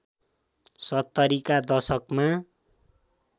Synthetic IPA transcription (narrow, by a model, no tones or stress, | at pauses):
sʌt̪ːʌɾikad̪ʌsʌkma